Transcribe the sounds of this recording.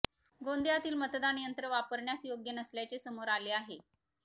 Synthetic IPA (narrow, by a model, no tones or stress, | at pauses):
ɡond̪jat̪iːlmət̪d̪anijənt̪ɾəʋapəɾɳjasjoɡjənəsljat͡sesəmoɾaleaɦe